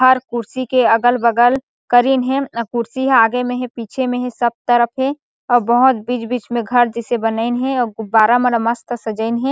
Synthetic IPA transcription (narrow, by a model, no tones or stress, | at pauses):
ɦɐɾkʊɾsikeɐɡəlbɐɡəl | kəɾiːnɦɛ̃kʊɾsiɦaːɡemẽɦɛ̃piːt͡ʃʰemẽɦɛ̃sɐb̚t̪əɾəpʰɦɛ̃ | ɔːɾbɐɦʊt̪̚biːd͡ʒbiːt͡ʃmẽɡʱɐɾd͡ʒɛsebɐnəɪnɦɛ̃ɔːbaːɾamɐnəmɐst̪sɐd͡ʒəɪnɦɛ̃